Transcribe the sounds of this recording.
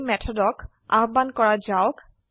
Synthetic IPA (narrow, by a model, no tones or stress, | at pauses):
mɛtʰɔdɔk | a̰ɦbankɔɹad͡ʒawk